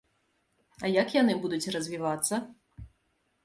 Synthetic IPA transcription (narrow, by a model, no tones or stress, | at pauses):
ɐjɐkjanɨbud̪ut͡sʲrɐzʲvʲivat̪sːɐ